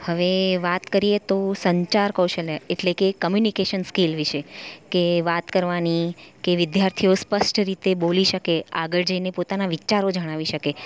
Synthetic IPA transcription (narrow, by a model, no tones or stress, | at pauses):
həʋeʋat̪kəɾijet̪osəɲt͡ʃaɾkəwʃəleeʈlekekəmjunikeʃənskelʋiʃekeʋat̪kəɾʋanikeʋɪd̪jaɾt̪ʰijospəʃʈɾit̪eboliʃəkeaɡəɭd͡ʒəinepot̪anaʋit͡ʃaɾod͡ʒəɽ̃aʋiʃəke